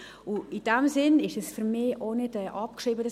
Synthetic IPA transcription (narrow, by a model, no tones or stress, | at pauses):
ʊid̥ɛmsɪnɪʃɛsfyɾmiːonɪdɛːʔɑp̚kʃʁiːbədɑ